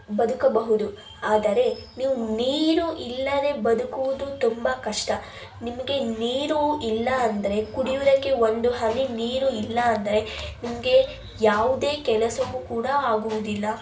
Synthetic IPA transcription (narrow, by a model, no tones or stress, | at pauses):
bɐd̪ukɐbɐɦud̪u | aːd̪ɐɾe̞niːʋuniːɾuʔilːɐne̞ːbɐd̪ukuʋud̪ut̪umbɐkɐʂʈɐ | nimɐɡe̞niːɾuilːɐːnd̪ɐɾe̞kuɽijud̪ɐkːe̞o̞nd̪uɦɐniniːɾuilːɐːnd̪ɐɾe̞nimɐɡe̞ | jaːʋud̪e̞ːkɛlɐsɐʋukuːɽɐaːɡuʋud̪ilːɐ